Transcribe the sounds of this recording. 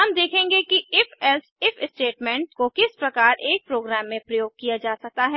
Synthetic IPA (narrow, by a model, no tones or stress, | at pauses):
ɦɐmd̪eːkʰẽːŋɡekiɪfʰɛlsɪfɪsʈeːʈmɛ̃ːɳʈkokɪspɾɐkaːɾʔeːk̚pɾoːɡɾɛːmːẽpɾɐjoːɡ̚kijad͡ʒaːsɐk̚t̪aɦɛː